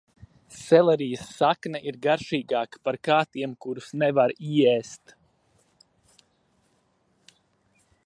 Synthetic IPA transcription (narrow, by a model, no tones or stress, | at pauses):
sɛlˠɛɾijəsːaknɐʔiɾɡaɾʃiːɡaːkə̥paɾkaːt̪iɛmkuɾusnɛvaɾiɛst̪